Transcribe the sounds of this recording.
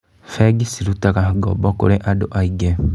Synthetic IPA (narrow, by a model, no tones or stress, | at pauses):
feɡisiɾutakaɡo̰bokuɾeʔadoʔaiɡe